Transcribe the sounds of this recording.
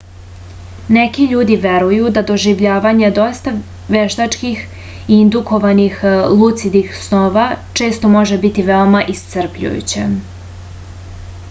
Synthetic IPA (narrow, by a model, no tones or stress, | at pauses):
ne̞kiʎuːd̪iʋe̞ɾujud̪ad̪o̞ʒiʋʎaːʋaɲed̪o̞st̪a | ʋeʃt̪at͡ʂkix | iind̪uko̞ʋanixlˠut̪sid̪ixsno̞ʋat͡ʃe̞ːst̪o̞mo̞ʒe̞bit̪iʋeo̞maʔist̪sər̩pʎṵjṵt͡ɕḛ